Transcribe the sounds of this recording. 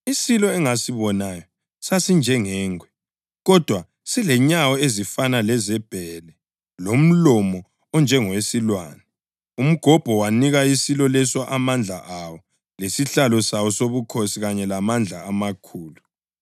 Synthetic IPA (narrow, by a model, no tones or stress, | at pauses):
isilɔɛŋasiβɔnajɔ | sasind͡ʒʱɛŋɛːŋʱwɛ | ɣɔd̥ʱwa | silɛɲawɔezifanalɛzɛb̥ʱɛlɛ | lom̩lɔmɔ | ɔnd͡ʒʱɛŋɔwesilwa̰ːnɛ | um̩ɡ̥ʱɔb̥ʱɔwaniɣaisilɔlɛswaʔamand͡ɮʱa̰ʔawɔ | lesiɬalɔsawɔsoβukʰosiɣaɲɛlamand͡ɮʱaːmakʰuːlu